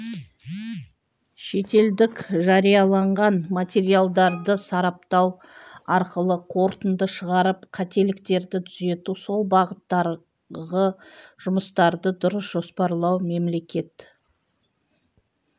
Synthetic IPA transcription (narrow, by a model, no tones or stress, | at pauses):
ʃe̞t̪e̞ld̪ɪkʒɑɾijɑlˠɑɴʁɑnmat̪ʲe̞ɾijalˠd̪ɑɾd̪əsɑɾɑp̚t̪ɑw | ɑɾqəlˠəqʰo̞ɾt̪ənd̪əʃəʁɑɾəpqʰɑt̪e̞lɪk̚t̪e̞ɾd̪ɪt̪ʰʏze̞t̪uso̞lˠbɑʁət̪ːɑɾ | ʁəʒ̥ʊməst̪ɑɾd̪əd̪ʊɾəsʒ̥o̞spɑɾlˠɑwme̞mle̞kʲe̞t̪